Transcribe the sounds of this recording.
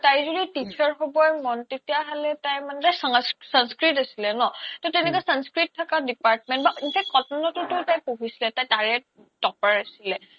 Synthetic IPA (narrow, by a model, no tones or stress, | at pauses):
tajzuditit͡ʃʰaɹɦobɔjmɔntetijaɦalɛtajmanɛtajssanskɹitasilɛnɔtɔtɛnɛkɔajsanskɹitʰːakadipaɹtmɛ̃ntbainfʰɛk̚t̚kɔtɔnɔtʊtʊtajpoɦisilɛtajtaɹɛ | tɔpaɹasilɛ